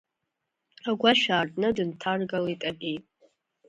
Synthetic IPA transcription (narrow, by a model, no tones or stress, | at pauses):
aɡʷaʃᶣaːrdʼnɨdɨntʰarɡalaitʼakʲʼejtʼ